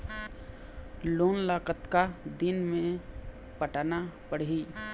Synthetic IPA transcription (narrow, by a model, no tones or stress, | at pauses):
loːnlaːkət̪kad̪inmẽ | pəʈanapəɽɦi